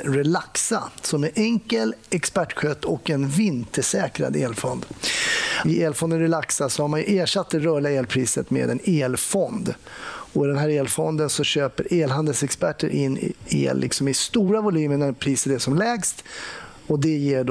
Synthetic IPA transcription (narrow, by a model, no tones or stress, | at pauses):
ɾɛlaksa̰sɔmɛʔɛŋkəlɛkspæʈːɧœt̪ʰːɔkɛnvɪnt̪əʂɛːkɾa̰d̪eːlfɔnd̪ | ɪeːlfɔnd̪ənɾɛlaksasɔhaɾmanjɵʔeːʂat̪̚ːd̪ɛɾœːɭɪaeːlpʰɾiːsət̪mḛːd̪ɛneːlfɔnd̪ | ɔɪd̪ɛnɦæːɾeːlfɔnd̪ənsɔɕøːpəɾʔeːlɦand̪əlsɛkspæʈːəɾʔɪnːɪ̰ḛːlːʔɪ̰ksɔmɪst̪uːɾavʊlyːmənæɾpʰɾiːsət̪ɛsɔmlɛːɡst̪ | ɔd̪ɛjeːɖ